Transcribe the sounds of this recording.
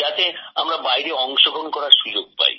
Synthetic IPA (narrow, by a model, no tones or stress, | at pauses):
at̪eamɾabajɾeɔŋʃoɡonkɔɾaɾʃud͡ʑoɡ̚pa̰ɾḭ